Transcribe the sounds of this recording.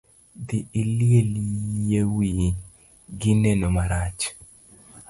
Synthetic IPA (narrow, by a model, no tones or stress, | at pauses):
d̪ɪɪljeljewi | ɡɪnenomaɾat͡ʃ